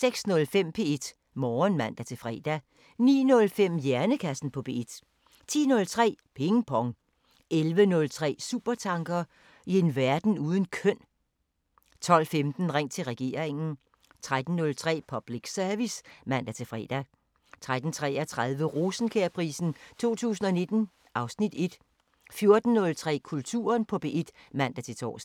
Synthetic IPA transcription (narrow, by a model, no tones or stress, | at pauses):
seɡ̥snɔ̽lfem̰pʰe̝e̝d̥ | mɒːnmæn̰d̥æt͡sʰe̝fʁɛ̰ːd̥æ | nḭːnɔ̽lfem̰jæɐnəkʰæsn̩pʰɒ̽pʰe̝ed̥ | t͡sʰḭːnɔ̽lt͡sʰʁɛ̰ːpʰeŋəpʰɒ̽ŋ | elʋənɔ̽lt͡sʰʁɛ̰ːsṵːb̥ɐt͡sʰɑ̈ŋɡ̥ɐ | ie̝nʋæɐd̥n̩uːð̞ˠən̩kʰœn̰ | t͡sʰɒ̽l̰femd̥n̩ʁaŋ̰t͡sʰe̝lʁɛɡ̥e̝̰ːɐ̰eŋn̩ | t͡sʰʁad̥n̩ːɔ̽lt͡sʰʁɛ̰ːpʰɒ̽b̥liɡ̥sœɐʋismæn̰d̥æt͡sʰe̝fʁɛ̰ːd̥æ | t͡sʰʁad̥n̩t͡sʰʁɛ̰ːɐt͡sʰʁaðˠʋəʁosn̩kʰeɐpʰʁḭːsn̩t͡sʰo̝̰ːt͡sʰṵːs̬n̩ɒne̝d̥n̩ | ʔɑ̈ʊsnid̥e̝d̥ | fjo̝ɐd̥n̩ːɔ̽lt͡sʰʁɛ̰ːkʰult͡sʰṵːɐnpʰɒ̽b̥e̝ed̥mæn̰d̥æt͡sʰe̝t͡sʰɒ̰ːs